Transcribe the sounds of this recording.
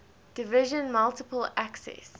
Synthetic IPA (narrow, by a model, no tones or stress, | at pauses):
d̥ɪvɪʒə̃nmalˠtɪpəlæksɛ̰s